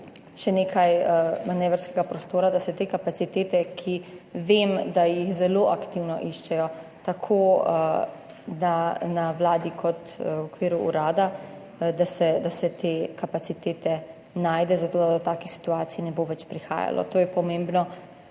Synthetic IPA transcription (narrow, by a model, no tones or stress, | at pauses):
ʃɛneːkʰajmanɛːʋɾskɛɡapɾɔst̪oːɾad̪asɛt̪eːkapasit̪eːt̪ɛkʰiʋemd̪ajixzɛloʔakt̪iwnɔ̰ʔiʃt͡ʃɛjɔt̪akʰo | nanawlaːd̪ikʰɔt̪ɔkʋiːɾuṵɾaːd̪a | d̪asɛd̪asɛt̪eːkapat̪sit̪eːt̪ɛ | naːjd̪ɛzat̪oːd̪ad̪ɔt̪aːkixsi̥t̪uaːt̪sijinɛboʋɛt͡ʃpɾixa̰ːja̰lɔ̰t̪oːjɛpɔmẽːmbnɔ